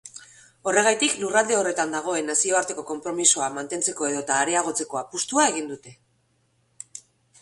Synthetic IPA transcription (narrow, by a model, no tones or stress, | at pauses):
o̞re̞ɣajt̪iklurald̪e̞o̞re̞t̪and̪aɣ̞o̞e̞nasio̞aɾt̪e̞ko̞ko̞mpɾo̞misoamant̪e̞nt͡se̞ko̞e̞ðo̞t̪aːɾeaɣ̞o̞t͡se̞ko̞apust̪uae̞ɣ̞ind̪ut̪e̞